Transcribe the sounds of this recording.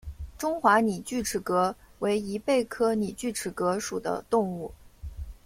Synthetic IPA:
ʈ͡ʂʊ˥ŋxwa˧˥ni˨˩t͡ɕy˥˩ʈ͡ʂʰɻ̩˨˩kɤ˧˥we˧˥ɪi˧˥pe˥˩ɪkʰɤ˥ni˨˩t͡ɕy˥˩ʈ͡ʂʰɻ̩˨˩kɤ˧˥ʂu˨˩d̪ə̰˦t̪ʊ˥˧ŋu˥˩

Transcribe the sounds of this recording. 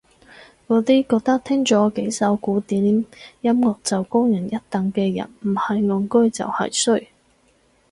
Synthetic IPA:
kɔː˨˧˥t̪iː˥kɔː˧k̚t̪ɐ˥k̚t̪ʰɪ˥ŋt͡sɔː˨˥ke˨˥jsɐ˨˥wkuː˨˥t̪iː˨˥mjɐ˥mŋɔː˨k̚t͡sɐ˨wkʊ˥ŋjɐ˨˩njɐ˥t̚t̪ɐ˨˩ŋkɛː˧jɐ̰˨˩nm̩˨˩hɐ˨jŋɔ˨˧˥ŋkɵ˥t͡sɐ̰˨whɐ̰˨jsɵ˥ɥ

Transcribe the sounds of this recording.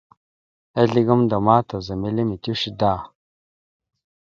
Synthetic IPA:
e˦ɮi˦ɡa˦mda˨ma˦ta˨za˨mi˦le˦mi˨ti˦ʃi˦da˦˨

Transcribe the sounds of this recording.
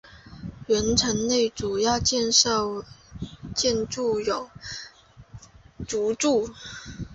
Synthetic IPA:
ɥɛ˧˥nʈ͡ʂʰə˧˥ŋne˥˩ɪʈ͡ʂu˨˩jɑ˥˧ʊt͡ɕjɛ˥˧n˥˩ | t͡ɕjɛ˥˧nʈ͡ʂu˥˩jo˨˩˦ʊ | t͡su˧˥ʈ͡ʂu˥˩

